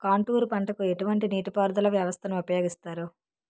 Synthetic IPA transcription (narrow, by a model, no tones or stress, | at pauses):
kaːɳʈuːɾpɐɳʈɐkue̞ʈuʋɐɳʈiniːʈipaːɾd̪ɐlɐʋjɐʋɐst̪ʰɐnuupɐjoːɡist̪aːɾu